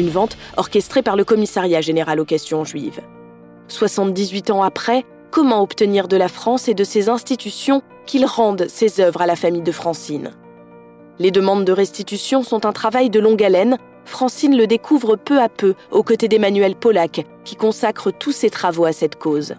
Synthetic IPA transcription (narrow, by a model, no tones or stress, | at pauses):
ynvɑ̃t̪ɔʁkʲɛst̪χepaʁləkɔmisaʁjaʒeneʁalokasjɔ̃ʒɥiv | swasɑ̃t̪d̪izɥit̪ɑ̃apχɛ | kɔmɑ̃ɔpt̪əniʁd̪əlafχɑ̃sed̪əsezɛ̃st̪it̪ysjɔ̃ | kʲʰilʁɑ̃d̪sezœvʁalafamijd̪əfχɑ̃sin | led̪əmɑ̃d̪ːəʁɛst̪it̪ysjɔ̃sɔ̃t̪ɛ̃t̪χavajd̪əlɔ̃ɡalɛn | fχɑ̃sinləd̪ekʰuvʁəpøapøokɔt̪ed̪emanɥɛlpɔlak | kʲːikɔ̃sakχət̪ʰuset̪χavoasɛt̪koz